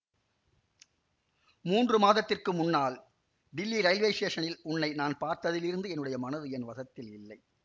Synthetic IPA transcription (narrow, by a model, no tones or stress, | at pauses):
muːndrɯmaːðɐt̪ːɪrkɯmʊnːaːl | ɖɪlːiɾɐɪlʋeɪʂeːʂɐnɪlʊnːɐɪnaːnpaːɾt̪ɐðɪlɪɾɯnd̪ɯɛnːɯɽɐjɐmɐnɐðɯɛnʋɐðɐt̪ːɪlɪlːɐɪ